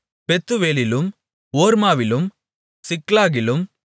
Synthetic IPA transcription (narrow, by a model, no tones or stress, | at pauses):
pɛt̪ːɯʋeːlɪlɯm | oːɾmaːʋɪlɯm | sɪklaːɣɪlɯm